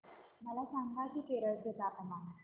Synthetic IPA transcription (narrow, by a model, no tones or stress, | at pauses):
məlasaŋɡakiːkeɾəɭt̪et̪aːpəma